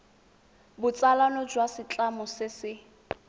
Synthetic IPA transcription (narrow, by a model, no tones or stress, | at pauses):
bʊt͡sʼalanɔd͡ʒwasɪt͡ɬʼamɔsɪsɪ